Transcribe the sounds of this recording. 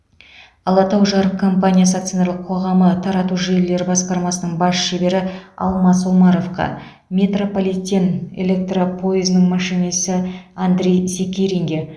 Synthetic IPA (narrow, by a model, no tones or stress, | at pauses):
ɑlˠɑt̪ɑwʒɑɾəp̚kʰo̞mpanʲijasak̚t̪soneɾlˠəqʰo̞ʁɑmət̪ʰɑɾɑt̪uʒe̞lːe̞ɾɪbɑsqɑɾmɑsənəɴbɑsʃebe̞ɾɪɑ̰lˠmɑs̬womɑɾo̞fqɑ̰ | mʲe̞t̪ropolʲit̪ʲːene̞̰lʲe̞k̚t̪ropʰo̞izənəɴmɑʃijnesəand̪ɾʲejsʲekʲeɾʲiŋɡʲe